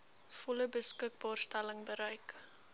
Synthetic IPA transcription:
fɔləbəskək̚bɑːrstæləŋbəɾəjk

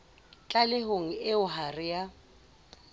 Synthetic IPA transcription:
t͡ɬʼalɪɦoŋ̩ɪʊɦarɪja

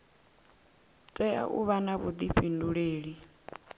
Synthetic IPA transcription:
tʼɛa̰ʔuβanaβud̪iɸʰinduɺeːɺi

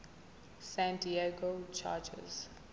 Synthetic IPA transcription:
sãntieɡot͡ʃʰa̰ːd͡ʒə̰z̥

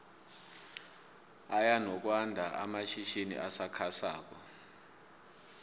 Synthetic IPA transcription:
ajanɔk̬ʼwandʱaʔa̰maʃiʃinḭʔasakʰasaːk̬ɔ̰

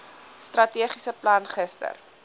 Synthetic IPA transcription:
strɐtiəχisəplɐnχəstə̰r

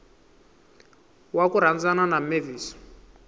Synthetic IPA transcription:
wakuɾ̤and͡zananameviːsɔ̥

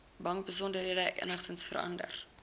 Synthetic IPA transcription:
bɐŋbəs̬ɔndərɦiədəɛkʔə̰nəχtənsfə̰ɾɐ̰ndə̰r

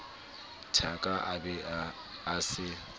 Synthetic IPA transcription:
tʰakʼaʔabɛaː | sɪ

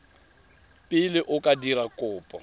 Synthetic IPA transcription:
pʼɪlɪʔʊkʼadirakʼʊːpʼɔ

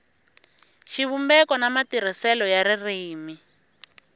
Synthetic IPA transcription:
ʃiβumbɛkɔnamatiɾ̤isɛlɔjaɾiriːmi

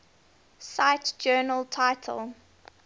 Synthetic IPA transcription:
saɪtd͡ʒɜːnəltʰaɪtʰə̰lˠ

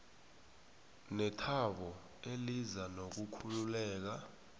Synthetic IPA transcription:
nɛtʰaɓɔ | elizanok̬ukʰululɛːk̬a

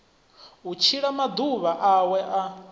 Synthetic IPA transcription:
ut͡ʃʰiɺamad̪uβaʔawɛʔa

